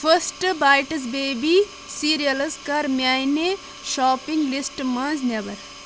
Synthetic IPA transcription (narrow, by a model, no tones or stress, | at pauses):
fʰəsʈbaːjʈɐs̬beːbi | siːɾijɐlskɐɾmjaːjne | ʃɔːpĩŋɡlisʈmãːnzneʋɐɾ